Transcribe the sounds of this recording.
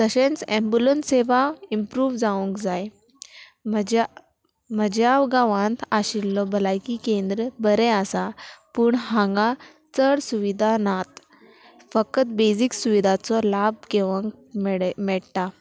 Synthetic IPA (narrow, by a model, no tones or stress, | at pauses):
t̪əɕẽnsɛ̃mbjulənseʋaimpɾuːʋd͡zaũŋkd͡zaj | md͡ʑ | m̤əd͡ʑawɡaʋãnt̪ʰaɕilːɔbəlajkikẽnd̪ɾəbəɾɛ̃asapuɳɦãŋɡã | t͡səɽsuʋid̪ʱanat̪ | fəkət̪bed͡ziksuʋid̪ʱat͡sɔlab̚keʋəŋk | mmɛɭʈa